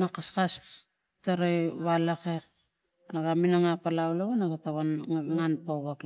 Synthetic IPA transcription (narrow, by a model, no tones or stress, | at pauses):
nakaskas | taɾajβalakek | naɡaminaŋapalawlaβanaɡataβanŋaβiŋanpawβak